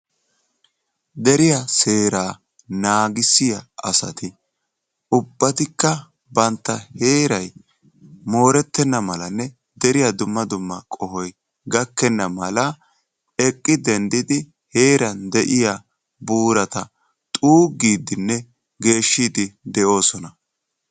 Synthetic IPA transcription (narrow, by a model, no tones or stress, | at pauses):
d̪ɛɾɪjase̞ːɾaː | naːɡɪsɪjɐɐsɐ̰t̪ɪ | ʔʊbːɐt̪ɪkːɐ | bɐnt̪ːɐhe̞ːɾɐj | mo̞ːɾɛt̪ːɛnːɐmɐlɐnːɛ | d̪ɛɾɪjad̪ʊmːɐd̪ʊmːɐkʼɔhɔj | ɡɐkːɛnːɐmɐlɐ | ɛkʼːɪd̪ɛnd̪ɪd̪ɪ | he̞ːɾɐnd̪ɛʔɪja | buːɾɐt̪ɐ | t̪ʼuːɡːiːd̪ɪnːɛ | ɡe̞ːʃːiːd̪ɪd̪ɛʔo̞ːsɔnɐ